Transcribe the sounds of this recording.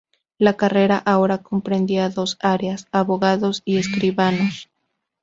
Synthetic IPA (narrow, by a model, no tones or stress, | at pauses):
lakare̞ɾaʔao̞ɾako̞mpɾe̞nd̪iaðo̞saɾjasaβo̞ɣaðo̞sie̞skɾiβanos